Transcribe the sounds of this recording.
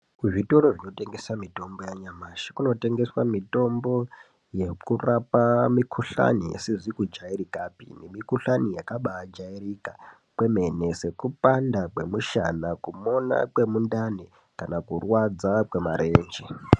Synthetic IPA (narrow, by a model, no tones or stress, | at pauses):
kuʐito̞ɾoʐino̞te̞ŋɡe̞samito̞mbo̞jaɲamaʃḁkuno̞te̞ŋɡe̞swamito̞mbo̞ | je̞kurapamikʰuɬa̰nijḛsiʐikud͡ʒaiɾikapḭnemikuɬanijakaɓad͡ʒaiɾika | kwe̞me̞nese̞kupandakwe̞̰muʃa̰nakumo̞na̰kwe̞mundane | kanakurwad͡zakwe̞maɾeːnd͡ʒe